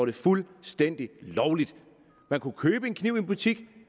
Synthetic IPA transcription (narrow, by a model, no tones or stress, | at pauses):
ɐɾ̥e̝fulsd̥en̰d̥ilɒʊlid̥ | mænkʰukʰøːb̥əe̝nkʰniʊ̰e̝nb̥ut͡sʰiɡ̥